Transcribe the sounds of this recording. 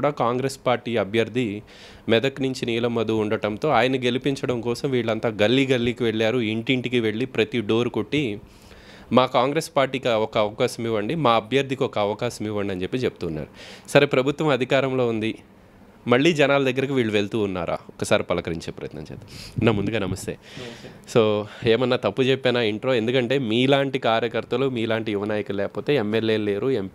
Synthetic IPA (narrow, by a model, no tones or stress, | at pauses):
ɽaːkaːŋɡɾespaːɾʈiːɐbʱjɐɾd̪ʱi | mɛd̪ɐknuɲt͡ʃiniːlɐmːɐd̪uːɳɖɐʈɐnt̪o̞ːaːjɐnɐɡe̞lipiɲt͡ʃɐɽɐmkɔːsɐmʋiːɭːɐnt̪aːɡɐlːiɡɐlːiːkiʋe̞ɭːaːɾuiɳʈiɳʈikiʋe̞ɭːipɾɐt̪iɖo̞ːɾukoʈːi | maːkaːŋɡɾeːspaːɾʈːiːkiɐɔkɐɐʋɐkaːʃɐmiʋːɐɳɖimaːɐbʱjɐɾd̪ʱikiɔkɐɐʋɐkaːʃɐmiʋːɐɳɖiɐnt͡ʃe̞pːit͡ʃeput̪uːnːa̰ːɾusɐɾepɾɐbʱut̪ʋɐmɐd̪ʱikaːɾɐmlo̞ːund̪i | mɐɭːiːd͡ʒɛnaːlɐd̪ɐɡːɐɾɐk̬iʋiːɭːuʋe̞ɭt̪uːnːa̰ːɾʔa̰ːɔkːɐsaːɾipɐlɐkɐɾiɲt͡ʃeːpɾɐ̰jɐt̪nɐ̰ɲt͡ʃḛːt̪nːaːmund̪uɡaːnɐmɐst̪ḛːsoːe̞ːmɐnːaːt̪ɐpːut͡ʃepːɛːnaːiɳʈɾo̞ːe̞nd̪ukɐɳʈe̞ːmiːlaːɳʈikaːɾjɐkɐɾt̪ɐlumiːlaːɳʈijuʋɐnaːjɐkulɛːkɐpo̞ːt̪e̞ːemːelːe̞ːlle̞ːɾuempː